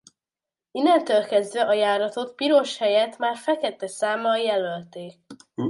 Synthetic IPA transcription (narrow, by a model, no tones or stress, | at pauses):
inːɛnt̪øːlkɛzd̪ʋɛʔɒjaːɾɒt̪o̞t̪piɾo̞ʃhɛjɛt̪maːrfɛkɛt̪ɛsaːmɒjɛlølt̪eːk̚